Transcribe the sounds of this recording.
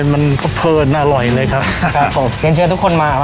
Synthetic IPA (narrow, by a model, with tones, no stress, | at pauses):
ma˧nkʰɔ˥˩pʰɤː˧nːaː˥˩lɔ˨˩jlɤː˧jkʰa˦˥p̚kʰa˦˥pʰːo˨˩˦mi˨˧˦nt͡ɕʰɯː˧t̪ʰu˥kʰo˧nmaː˧